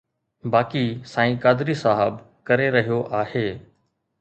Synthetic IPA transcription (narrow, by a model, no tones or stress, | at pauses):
baːkisãːĩːkaːd̪ɾisaːɦəb | kɐɾeɾɐɦijoʔaːheː